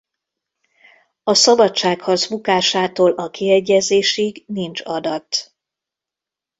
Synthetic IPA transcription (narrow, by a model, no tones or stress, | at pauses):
ɒsɒbɒtt͡ʃaːkhɒrzbukaːʃaːt̪oːlʔɒkiɛɟːɛzeːʃiɡnint͡ʃɒd̪ɒt̪